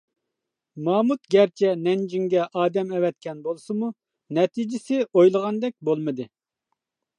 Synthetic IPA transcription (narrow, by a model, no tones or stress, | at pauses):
mɑːmut̪ɡʲɛɾt͡ʃʰɛnɛnd͡ʒiŋɡʲɛʔɑːd̪ɛmɛwɛt̪̚kʲʰɛnbolˠsɨmu | nɛt̪ʰid͡ʒɪsɪʔojlˠəʁɑnd̪ɛk̚ʲbolˠmɨd̪ɨ